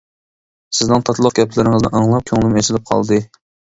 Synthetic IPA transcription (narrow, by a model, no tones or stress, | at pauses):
sɪznɨŋt̪ʰɑt̪lˠəq̚ɡʲɛplɪɾɪŋɨznɨ̰ʔɑŋlˠɑp̚kʲʰøŋlˠɨmet͡ʃ̪ʰɪlɪp̚qʰɑ̰lˠd̪ɨ